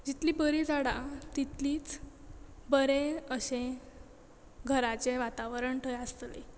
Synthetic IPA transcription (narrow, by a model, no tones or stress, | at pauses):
d͡ʑit̪liːbəɾiːd͡zaɽat̪it̪liːt͡s | bəɾẽəɕẽ | ɡʱəɾat͡ɕeʋat̪aʋəɾəɳʈʰəjəst̪lḛ